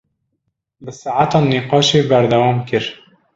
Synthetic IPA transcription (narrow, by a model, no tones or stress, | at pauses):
bɨsaːʕat̪ɑːniqɑːʃeːbæɾd̪æwɑːmkɨɾ